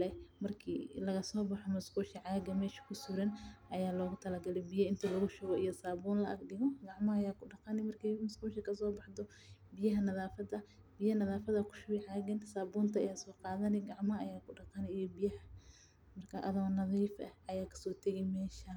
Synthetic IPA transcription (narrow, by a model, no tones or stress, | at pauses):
lɛmɐrkʰḭːlɐɣɐsɔːbɑħɔmʊsquːʃiʕɑːɡɐmɛːʃɐ̥kʰʊsʊɾɐnʔɐjaːlɔːɣʊt̪ʰɐlɐɡɐlɛbɪjɐɪnt̪ʰɐlɐɣʊʃʊɣɔʔijɔsaːbuːnlɐʔɐ̰ɡɖɪɣɔɡɑʕmɐhɐjaːkʰʊɖɑqɑnɪmɐrkʰɛjmʊskuːʃikʰɐs̬ɔːbɑħd̪ɔ | bɪjɐɦɐnɐðaːfɐdɐ | bɪjɐnɐðaːfɐðɐkʰʊ̥ʃʊwɛʕɑːɡɐnsaːbuːnt̪ʰɐɐjaːsɔːqɑːðɐnɛɡɑʕmɐɐɐjaːkʰʊɖɑqɑnɛijɔbɪjɐhɐ | mɐrkʰɐʔɐðɐwnɐðiːfʔɐ̰ʔɐjaːkʰɐ̥sɔːt̪ʰɐɣɛmɛːʃɐ